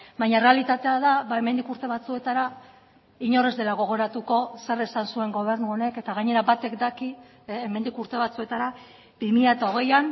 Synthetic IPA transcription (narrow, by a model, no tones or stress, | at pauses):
bajɲare̞alit̪at̪e̞aðaβaemend̪ikuɾt̪e̞βat͡sue̞t̪aɾa | iɲo̞re̞zd̪e̞laɣo̞ɣ̞o̞ɾat̪uko̞saresansue̞ŋɡo̞β̞e̞ɾnuo̞ne̞ke̞t̪aɣaɲe̞ɾabat̪e̞kd̪akiː | me̞nd̪ikuɾt̪e̞βat͡sue̞t̪aɾa | bimiʎaet̪aoɣ̞e̞jan